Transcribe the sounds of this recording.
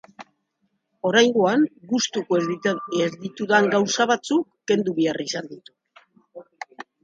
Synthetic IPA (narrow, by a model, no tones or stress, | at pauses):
o̞ɾajŋɡoaŋɡust̪ukoezðit̪uðaŋɡawsaβat͡sukːe̞nd̪uβiarisand̪it̪u̥